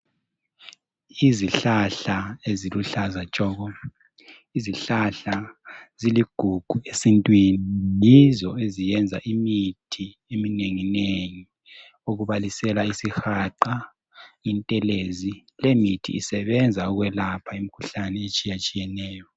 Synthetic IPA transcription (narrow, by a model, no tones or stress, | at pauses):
iziɬaɬaeziluɬazat͡ʃʼɔːɣɔ | iziɬaɬaziliɡ̥ʱuɡ̥ʱuesintʼwinijizɔezijɛnd͡zʱaʔimitʰi | emineŋineŋi | oɣuβalisɛlaisixaǃa | jintʼɛlezilemitʰḭːsɛβɛnd͡zʱaɔɣwɛlapʰaimikʰuɬanɛet͡ʃʼijat͡ʃʼijɛnɛːjɔ